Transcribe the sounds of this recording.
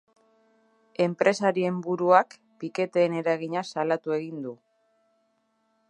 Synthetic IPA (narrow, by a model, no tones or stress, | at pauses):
e̞mpɾe̞saɾie̞mbuɾuak | pike̞t̪e̞ːne̞ɾaɣiɲasalat̪ue̞ɣ̞ind̪u